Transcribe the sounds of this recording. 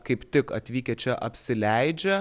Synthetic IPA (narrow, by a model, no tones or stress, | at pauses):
kɐɪpt̪ʲɪkɐ̰t̪ʲʋʲiːkʲɛt͡ʃʲɛʔɐpʲsʲɪlʲɛɪd͡ʒʲɛ